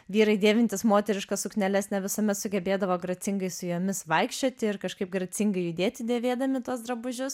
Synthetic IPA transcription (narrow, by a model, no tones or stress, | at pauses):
ʋʲiːɾɐɪd̪ʲeːʋʲɪnʲt̪ʲɪsmoːt̪ʲɛɾʲɪʃkɐsʊknʲɛlʲɛsnʲɛʋʲɪsɐmʲɛt̪sʊɡʲɛbʲeːd̪ɐʋoːɡɾɐt͡s̪ʲɪŋɡɐɪsʊjoːmʲɪsʋɐɪkʃʲt͡ʃʲoːt̪ʲɪɪrkɐʃkɐɪp̚ɡɾɐt͡s̪ʲɪŋɡɐɪjʊd̪ʲeːt̪ʲɪd̪ʲeːʋʲeːd̪ɐmʲɪt̪uɔsd̪ɾɐbʊʒʲʊs